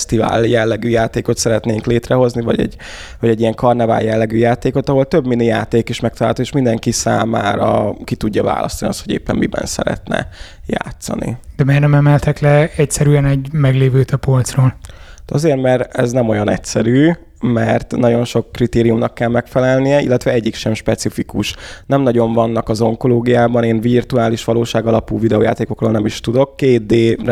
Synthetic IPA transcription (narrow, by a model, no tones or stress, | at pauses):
st̪iva̰ːljɛlːɛɡyːjaːt̪eːko̞t̪sɛɾɛt̪neːŋkleːt̪rɛɦo̞znivɒ̰ɟɛ̰ɟː | vɒɟɛɟːijɛŋkɒrnɛva̰ːljɛlːɛɡyːjaːt̪eːko̞t̪ɒɦo̞lt̪øbminːijaːt̪eːkiʃmɛk̚t̪ɒlaːlt̪oeːʃmind̪ɛŋkisa̰ːmaːɾɒkit̪uɟːɒva̰ːlʔɒ̰st̪ɒniɒ̰st̪ho̞ɟḛːpːɛmmibɛ̰nsɛ̰ɾɛ̰t̪nɛ̰ | ja̰ːt̪sɒ̰nḭd̪ɛmeːrnɛmɛmɛlt̪ɛklɛɛcsɛɾyɛnɛɟmɛɡleːvøːt̪ʰɒpolt̪sroːlt̪ɒzeːrmɛrɛznɛmo̞jɒnɛ̰csɛɾyː | mɛrt̪nɒɟo̞nʃo̞kːrit̪eːɾijumnɒkːɛlmɛkfɛlɛlnijɛḭlːɛt̪ʋɛɛɟːikʃɛmʃpɛt̪sifikuʃnɛmnɒɟo̞ɱvɒnːɒkɒzo̞ŋko̞loːɡijaːbɒneːnvirt̪uaːliʃʋɒloːʃaːɡɒlɒpuːvid̪ɛoːja̰ːt̪eːko̞kroːlnɛmiʃt̪ud̪o̞kːeːt̪̚d̪eː